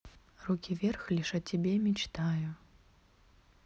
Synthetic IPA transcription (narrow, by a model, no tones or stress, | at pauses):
rukʲivʲɛrxlʲiʂɐt͡ɕʲːɛbʲɛmʲit͡ʂt̪aju